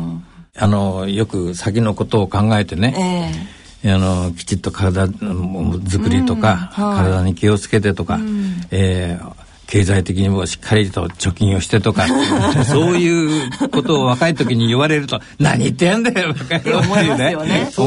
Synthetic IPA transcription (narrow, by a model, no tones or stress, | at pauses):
ano̞jo̞kɯ̟sakʲino̞ko̞t̪o̞ːkãŋɡae̞t̪e̞ne̞ | ano̞kʲi̥t͡ɕit̪ːo̞kaɾad̪a | zɨkɯ̟ɾʲit̪o̞kakaɾad̪aɲ̟ikʲio̞t͡sɨ̥ke̞t̪̬e̞t̪o̞kaeː | kʰe̞ːzait̪e̞k̬ʲiɲ̟imo̞ɕi̥kʰːaɾʲit̪o̰t͡ɕo̞kʲĩɰ̃o̞ɕi̥t̪e̞t̪o̞kaso̞ːjɯ̟ːko̞t̪o̞ːβ̞akait̪o̞kʲiɲ̟iɨβaɾe̞ɾɯ̟t̪o̞ | na̰ɲ̟iːt̪ːejãnd̪eβakaeɾomoone